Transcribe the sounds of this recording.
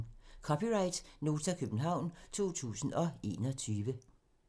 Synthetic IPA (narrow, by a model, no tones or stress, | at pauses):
kʰɒ̽piʁɑ̈ɪd̥no̝ːt͡sʰækʰøb̥n̩ɦɑ̈ʊ̰nt͡sʰo̝̰ːt͡sʰṵːsn̩ɒ̽e̝̰ːnɒt͡sʰyːʋə